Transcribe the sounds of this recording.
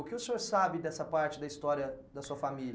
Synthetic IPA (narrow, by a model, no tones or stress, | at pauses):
ʊkɪʊsĩoɾsabɪd̪ɛsɐpaɾt͡ʃɪd̪ɐist̪ɔɾiɐd̪ɐsuɐfamil